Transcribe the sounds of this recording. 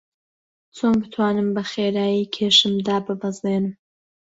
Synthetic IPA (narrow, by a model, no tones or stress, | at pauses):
t͡sʰoːnbɨt̪ʰwaːnɨmbɐχeːɾaːjiːkʰeːʃɨmd̪aːbɨbɐzneːnɨm